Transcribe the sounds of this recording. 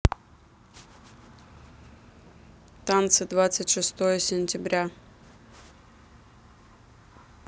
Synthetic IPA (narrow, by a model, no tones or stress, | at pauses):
t̪ant̪sɨd̪vat̪sɨtʲʂɨst̪ojəsʲɪnʲtʲɪbɾʲa